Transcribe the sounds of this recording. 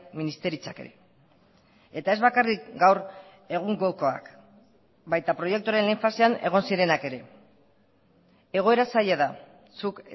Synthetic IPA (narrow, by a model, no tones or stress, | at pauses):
minist̪e̞ɾit͡sakḛɾḛ | e̞t̪ae̞zβakarik̚ɡawɾ | e̞ɣ̞uŋɡoko̞a̰k | bajt̪apɾo̞je̞k̚t̪uaɾe̞nleɱfaseane̞̰ɣ̞o̞nsiɾe̞nake̞ɾe̞ | e̞ɣ̞o̞e̞ɾasaʎeða | suk